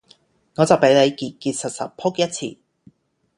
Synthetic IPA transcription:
ŋɔː˨˧t͡sɐ˨wpe˨˥jle˨˧jkiː˨t̚kiː˧t̚sɐ˨t̚sɐ̰˨pʰʊ˥k̚jɐ˥t̚t͡sʰḭː˧˩

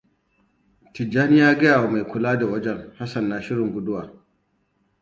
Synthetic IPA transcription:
tɪ˨d͡ʒːaː˦nɪ˦jaː˦ɡɐ˦jaː˨wa˨ma˨jkʷʊ˨laː˦da˨wɐ˦d͡ʒɛ˦ŋha˦sɐ˨nːaː˨ʃɪ˦ɽɪ˨ŋɡʷʊ˦dʊ˦waː˨

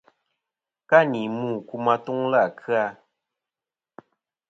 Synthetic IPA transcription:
ka˦ni˨muː˦˨ku˦ma˦tu˦ŋla˦˨kɨ˦a˦

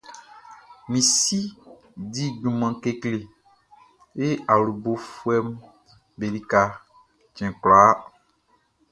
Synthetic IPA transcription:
mĩ˨si˦ | di˦ɟũ˨mã˨ke˦kle˨ | e˦a˨lu˨bo˨fu˦ɛ˦m | be˨li˦ka˨ | t͡ʃɛ̃˨klaː˨˦

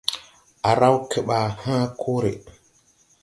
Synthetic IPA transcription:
ʔa˨ɾa˦wkʰe˨ɓa˨hã˦kʰo˦ɾḛ˨

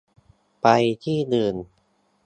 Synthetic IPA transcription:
pa˧jt̪ʰiː˥˩d̪ɯː˧˩n

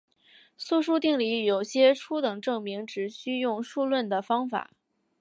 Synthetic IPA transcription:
su˥˧ʂ̬u˥t̪i˥˩ŋli˧˥jo˨˩ʊɕjɛ˥ʈ͡ʂʰu˥t̪ɤ˨˩ŋʈ͡ʂɤ˥˩ŋmi˧˥ŋʈ͡ʂɻ̩˧˥ɕy˥jʊ˥˧ŋʂu˥˧lwə˥˩nd̪ə˩fɑ˥ŋfa̰˨˩˦

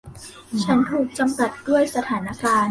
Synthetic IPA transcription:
t͡ɕʰa˦˥nt̪ʰuː˨˩k̚t͡ɕa˧mka˨˩t̪̚du˥˩əjsa˧t̪ʰaː˩˦na˧˥kaː˧n

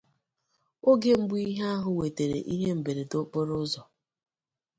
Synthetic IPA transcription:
o˦ɡe˦m̩˦bʊ˦i˦ɦa˦ɦʊ˨we˨te˨ɾḛ˨ʔi˦ɦe˦m̩˨be˨ɾe˨dʊ˦k͡pʊ˦ɾʊ˦zɔ˨

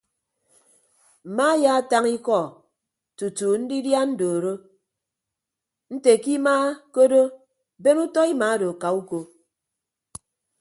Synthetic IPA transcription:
m̩˨ma˦ja˦a˦ta˦ŋi˦kɔ˦˨ | tu˨tu˨n̩˦di˦dja˦n̩˦do˨ɾo˦ | n̩˦te˨ki˦maː˦ko˦do˦ | be˦nu˦tɔ˦i˦ma˨˦do˨ka˨u˦ko˨

